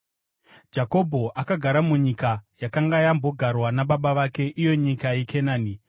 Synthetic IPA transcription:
d͡ʒako̞bʱo̞ʔakaɡʱaɾamuɲikajakaŋɡajambo̞ɡʱarwanaɓaɓaʋake̞ʔijo̞ɲikajekʰenaːni

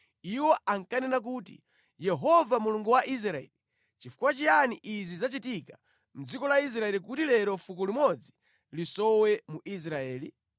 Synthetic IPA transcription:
iwɔaŋkanɛnak̬uːtḭ | jɛɦɔvamuluŋɡuwaʔis̬ɾaɛ̰li | t͡ʃifu̥kwat͡ʃijaniʔizizat͡ʃitika | m̩d͡zikɔlais̬ɾaɛlikutilɛɾɔfukɔlimɔd͡zi | lisɔwɛmuʔis̬ɾaɛːli

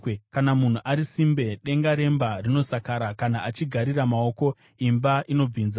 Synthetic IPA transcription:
kanamun̤uʔaɾisimbe̞ɗe̞ŋɡaɾe̞mbarino̞sakaɾakanaʔat͡ʃiɡʱaɾiramao̞ko̞ | imbaʔino̞b͡viːnza

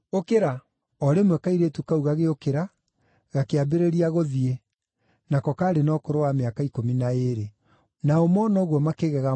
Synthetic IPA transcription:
okeɾa | ɔɾemwɛkaiɾetukauɣaɣeokeɾa | ɣakeabeɾeɾiaɣoðie | nakɔkaɾenɔkoɾowameakaikominaeɾe | naomɔnɔɣwɔmakeɣɛɣa

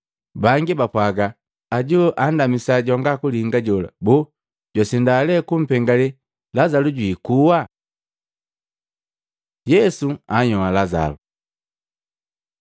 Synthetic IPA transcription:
baŋɡibapwaɡaː | ɟuʔandamisaɟɔŋɡakulihiŋɡaɟɔla̰bu | ɟwasindalɛkum̩pɛŋɡalɛ | lazaluɟwiːkuwa | jɛsuaɲɔwalaza̰lu

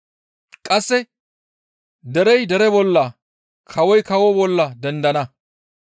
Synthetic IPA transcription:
kʼɐsːɛ | d̪ɛɾɛjd̪ɛɾɛbɔlːɐ | kʰɐwɔjkɐwɔbɔlːɐd̪ɛnd̪ɐnɐ

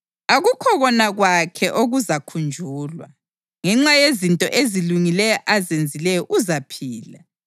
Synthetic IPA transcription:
aɣukʰɔɣɔnaɣwakʰɛʔoɣuzakʰund͡ʒʱuːlwa̰ | ŋɛŋ͡ǁajezintʼɔ̰ʔeziluŋilɛjɔʔazend͡zʱilɛjɔʔuzapʰiːla

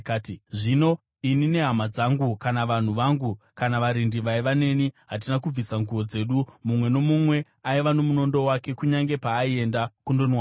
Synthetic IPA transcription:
kaːtiʐino̞ | inine̞ɦamad͡zaŋɡukanaʋan̤uʋaŋɡu | kanaʋaɾindiʋaiʋane̞niɦat̬inakub͡visaŋɡuʋo̞d͡ze̞ɗumumwe̞no̞mumwe̞ | aiʋano̞muno̞ndo̞wake̞kuɲaŋɡe̞paːie̞ndakundo̞nwa

